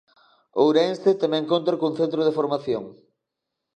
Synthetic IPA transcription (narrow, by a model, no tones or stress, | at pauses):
owɾenst̪et̪emeŋkont̪ɾokoŋθent̪ɾoð̞efoɾmaθjoŋ